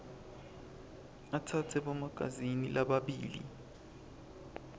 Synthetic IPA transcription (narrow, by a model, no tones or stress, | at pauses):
atʰatʰɛɓomaɡ̥̬ʱa̰zinilʔaɓaɓḭːlḭ